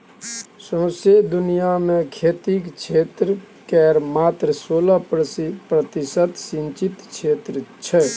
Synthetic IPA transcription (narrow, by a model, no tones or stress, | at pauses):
sõːsed̪ʊnijamẽkʰeːt̪ikt͡ʃʰeːt̪ɾə | kɛːɾmaːt̪ɾəsoːlapɾət̪ɪsət̪sɪ̃nt͡ʃit̪t͡ʃʰeːt̪ɾət͡ʃʰɛ